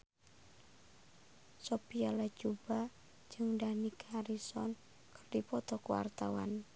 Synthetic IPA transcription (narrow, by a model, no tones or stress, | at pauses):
sopialḁd͡ʒub̥ḁ | d͡ʒɨŋdanikʰaɾisɔ̰n | kərdipɔt̪ɔkuwa̰rt̪awa̰n